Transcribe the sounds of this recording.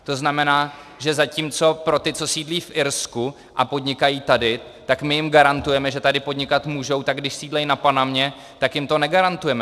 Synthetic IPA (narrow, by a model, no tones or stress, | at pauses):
t̪o̞znamɛnaː | ʒɛzacimt͡so̞pɾo̞t̪ɪt͡so̞siːdliːfʔɪɾsku | ʔapo̞dɲɪkajiːt̪adɪ | t̪akmɪjɪmɡaɾant̪ujɛmɛʒɛt̪adɪpo̞dɲɪkat̪muːʒo̞wt̪aɡdɪʃsiːdlɛjnapanamɲɛ | t̪akjɪmt̪o̞nɛɡaɾant̪ujɛmɛ